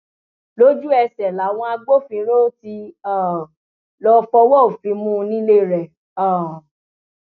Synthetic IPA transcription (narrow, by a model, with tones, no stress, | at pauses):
lo˦d͡ʒu˦ɛ˧sɛ˨la˨˦w̃ɔ̃˧a˧ɡ͡bo˦fĩ˧˦ɾo˦ti˧a˨ | lɔ˧fɔ˧wɔ˦o˨fĩ˨˦mũ˦˧nĩ˦le˦˨ɾɛ˨ | a˦˨